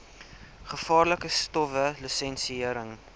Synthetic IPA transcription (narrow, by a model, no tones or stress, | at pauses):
χəfɑːrləkəstɔfəlisɛnsiiəɾəŋ